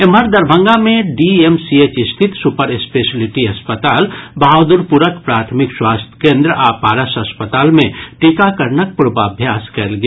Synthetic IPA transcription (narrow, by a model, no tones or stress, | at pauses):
emɦəɾd̪ɐɾbʱə̃ŋɡamẽɖiemsieːt͡ʃɪst̪ʰɪt̪sʊpəɾɪspeːʃəlɪʈiɦɐspət̪aːlbʱaːʋd̪ʊɾpuɾəkpɾaːt̪ʰmɪkswaːst̪ʰkẽːnd̪ɾəʔaːpaːɾəʃɐspət̪aːlmẽʈɪkakəɾnək̚pʊɾbaːbʱjaːskɛlɡ